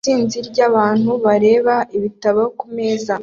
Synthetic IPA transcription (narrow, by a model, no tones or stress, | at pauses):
iːnziɾɟaβaːn̥huβaɾe̞ːβaʔiβitaβakumeːza